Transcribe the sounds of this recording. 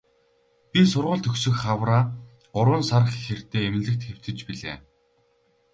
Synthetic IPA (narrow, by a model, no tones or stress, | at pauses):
pʲisʊrʁʊ̆ːɮt̪ʰɵksɵ̆xχawraː | ɢʊɾwʊːnsaɾə̆χxer̥t̪eːem̆nɮɘ̆k̚t̪xew̥t̪ɘ̆t͡ɕpiɮḛː